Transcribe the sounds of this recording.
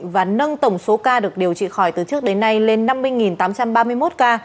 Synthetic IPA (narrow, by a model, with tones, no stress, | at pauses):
vaː˨˩nə˧nt̪ə˧˩wŋ͡mso˨˦kaː˧ɗɨ˨˩ək̚ɗi˨˩əwt͡ɕḭ˧˨xɔ˧˩jt̪ɨ˨˩t͡ɕɨ˦˥ək̚ɗe˨˦nːa˧jle˧nːa˧mːɨ˧əjŋi˨˩nt̪aː˨˦mt͡ɕa˧mɓaː˧mɨ˧əjmo˦˥t̚kaː˧